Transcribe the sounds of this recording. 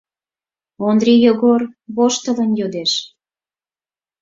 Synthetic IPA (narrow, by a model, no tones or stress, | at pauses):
ond̪rʲijoɣorβoʃt̪ələ̆njod̪eʃ